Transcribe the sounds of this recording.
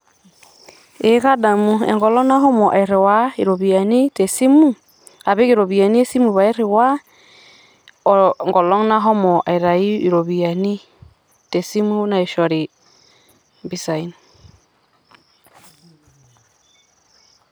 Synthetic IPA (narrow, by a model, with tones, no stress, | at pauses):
e˨˦ka˦da˨mu˨ɛ̰˨ŋɡɔ˨lɔ˦na˦ɦɔ˦mɔ˨ʔa˨i˨ɾe˨wa˦i˨ɾo˨βi˨a˨ni˦tɛ˨si˦mu˦ | a˨βe˦ke˨ɾo˨βi˨a˨ni˦e˦si˦mu˨βa˨i˦ɾe˨wa˦ | ɔ˨ŋɡɔ˨lɔ˦ŋna˦ɦɔ˦mɔ˨ʔa̰˨i˨ɾa˨i˦i˨ɾo˨βi˨a˨ni˦ | tɛ˨si˦mu˦na˨i˨ʃɔ˨ɾi˨ | bi˨sa˨i˨˦n